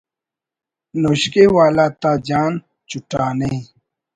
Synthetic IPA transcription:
noːɕkewaːlat̪aːd͡ʑaːn | t͡ɕuʈaːnɐɦĩ

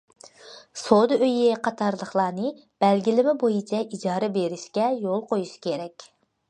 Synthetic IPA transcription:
sod̪ɨøjɪqʰɑt̪ʰɑɾlˠəχlˠɑːnɨ | b̥ɛlɡʲilɪmɪbojit͡ʃʰɛʔid͡ʒɑːɾɛbeɾɪʃkʲɛjolˠqojuʃkʲʰeɾɛkʲ

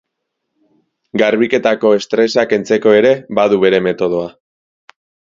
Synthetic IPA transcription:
ɡaɾβike̞t̪ako̞e̞st̪ɾe̞sake̞nt͡se̞ko̞e̞ɾe̞baðuβe̞ɾe̞me̞t̪o̞ð̞o̞a

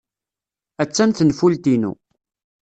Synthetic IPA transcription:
æt͡sːænθənfult̪inṵ

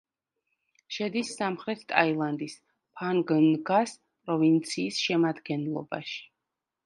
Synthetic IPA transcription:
ʃɛd̪isːamχɾɛt̪ʰt̪ʼailˠand̪is | pʰaŋɡnɡas | pʼɾɔvint̪sʰiːsʃɛmad̪ɡɛnlˠɔ̰ba̰ʃi̥

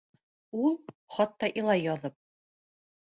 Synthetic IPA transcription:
ulˠχɑt̪ːɑʔilˠɑjːɑðɤp̚

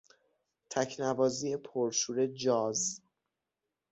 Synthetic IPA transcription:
t̪ʰæcʰnævɒːziepʰoɾʃuːɾe̞d͡ʒɒːz

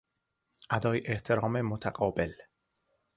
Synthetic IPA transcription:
ʔæd̪ɒːjʔeht̪ʰeɾɒːmemot̪ʰæqɒːbel

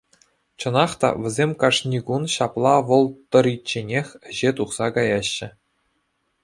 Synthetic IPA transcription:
t͡ɕɤ̆nɑχt̪ɑ̰ʋʲɘ̆zʲemʲkɑʂnʲiɡunɕɑplˠɑʋɤ̆lˠt̪ɤ̆ɾʲit͡ɕːenʲexʲɘ̆ʑet̪uχsɑkɑjɑɕːɘ̆

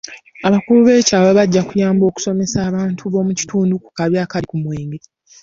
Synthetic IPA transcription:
aβakuluβe̞ːcaːweβaɟːakujaːmbo̞ːku̥so̞me̞saːβaːntʰuβo̞ːmuci̥tʰuːnduku̥kaβjaːkalikumweːŋɡe

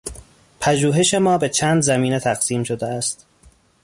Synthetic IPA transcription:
pʰæʒuːɦe̞ʃe̞mɒːbe̞t͡ʃʰæːnd̪zæmiːnet̪ʰæɢsiːmʃo̞d̪eæst̪

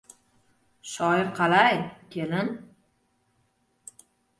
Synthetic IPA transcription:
ʃɒɪɾqʰɑlajkʲʰelɪn

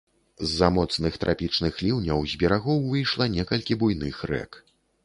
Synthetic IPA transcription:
zːɐmɔt̪snɨxt̪ɾʔapʲit͡ʂnɨxlʲiwnʲɐwzʲbʲɛɾaɣɔwvɨjʂlˠɐnʲɛkɐlʲkʲibujn̪ɨxrɛ̰k

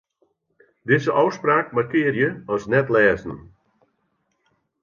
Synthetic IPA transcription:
dɪzəʔɔwspraːkmarkɪərjəɔsnɛtlɛːzn̩

